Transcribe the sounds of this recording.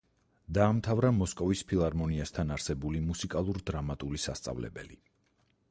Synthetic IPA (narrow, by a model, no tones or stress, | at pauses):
d̪aːmt̪ʰavɾamɔskʼɔvispʰilˠaɾmɔniast̪ʰanaɾsɛbulimusikʼalˠuɾd̪ɾamat̪ʼulisa̰st̪sʼa̰vlɛ̰bɛ̰li